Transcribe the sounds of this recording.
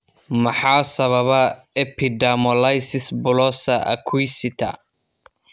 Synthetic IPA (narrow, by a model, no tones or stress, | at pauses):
mɐħɑːsɐβɐβɐ | ɛpʰɪd̪amɔlajsɪsbʊlɔːsɐʔɐ̰kʰwisɪt̪ʰɐ̰